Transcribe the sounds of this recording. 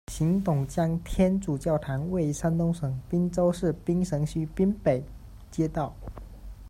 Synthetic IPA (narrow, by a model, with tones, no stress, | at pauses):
ɕi˧˥ŋt̪ʊ˨˩ŋt͡ɕjɑ˥ŋt̪ʰjɛ˥nʈ͡ʂu˨˩t͡ɕjɑ˥˩ʊt̪ʰa˧˥nwe˥˩ɪʂa˥nt̪ʊ˥ŋʂɤ˨˩ŋpi˥ŋt͡so˥ʊʂɻ̩˥˩pi˥ŋʂɤ˧˥ŋɕy˥pi˥ŋpe˨˩ɪ | t͡ɕjɛ˥t̪ɑ˥˩ʊ